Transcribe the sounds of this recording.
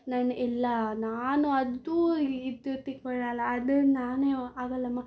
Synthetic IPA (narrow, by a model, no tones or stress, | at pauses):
nɐnʔɛlːɐnaːnuɐd̪uid̪ut̪ːikɔɭalːɐːd̪unaːneaːɡɐlːɐmːa